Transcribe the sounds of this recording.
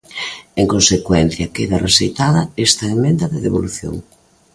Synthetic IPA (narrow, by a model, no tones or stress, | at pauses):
eŋkõnsekwɛn̟θjɐkeðɐresejt̪aðɐest̪ɐemẽnd̪ɐðeðeβoluθjo̰ŋ